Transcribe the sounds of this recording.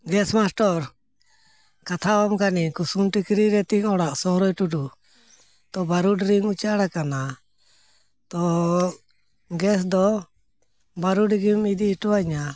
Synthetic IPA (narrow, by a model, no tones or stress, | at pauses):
ɡɛsmasʈɔɾ | kat̪ʰawamkanikusumʈikɾiɾɛt̪iŋɔɽaʔsɔɦɾɔjʈuɖu | t̪ɔbaɾuɖɾiŋut͡ʃaɽakana | t̪ɔ | ɡɛs̬d̪ɔ | baɾuɖɡimid̪iːʈɔwaɲa